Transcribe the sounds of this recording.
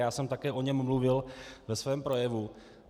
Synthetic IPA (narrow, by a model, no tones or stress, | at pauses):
jaːsɛmt̪akɛːʔo̞ɲɛmːluvɪlvɛsvɛːmpɾo̞jɛvu